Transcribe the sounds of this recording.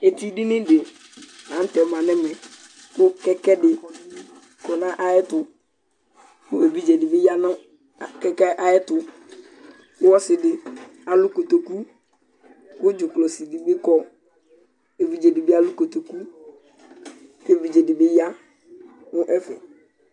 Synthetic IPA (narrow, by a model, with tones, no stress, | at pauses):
e˨ti˦dɪ˦nɪ̃˦de˨ | ã˨˦n̩˦tɛ˨˦mã˨nɪ̃˦mɛ˨ | kʊ˦kɛ˦kɛ˦dɪ˨ | kɔ˨nã˦ʔa˦ɪ˦tʊ˨ | kʊ˦e˨bi˦d͡ʒe˨dɪ˨bɪ˦ja˦nʊ̃˦˨ | kɛ˦kɛ˦ʔa˨ɛ˦tʊ˨ | kʊ˦wɔ˦sɪ˨dɪ˨ | a˨lʊ˦ko˨t̪o˨ku˦ | kʊ˦d͡ʒʊ˨klɔ˨si˨dɪ˨bɪ˦kɔ˦ | e˨vi˨d͡ʒe˨dɪ˨bi˦a˦lʊ˦ko˨t̪o˨ku˦ | e˨bi˨d͡ʒe˨dɪ˨bɪ˦ja˦ | nʊ̃˦ʔɛ˦fɪ̰˨